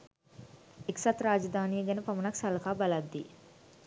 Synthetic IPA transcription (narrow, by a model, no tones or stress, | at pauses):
iksɐt̪ɾaːd͡ʒɐd̪ʱaːniːjɐɡɐnɐpɐmɐnɐksɐlɐkʰaːbɐlɐd̪ːi